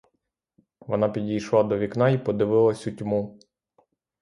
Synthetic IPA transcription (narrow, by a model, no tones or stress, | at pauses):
ʋɔnɑpʲidʲijʃlˠɑd̪ɔʋʲiknɑipɔd̪ɪʋɪlˠɐsʲutʲmu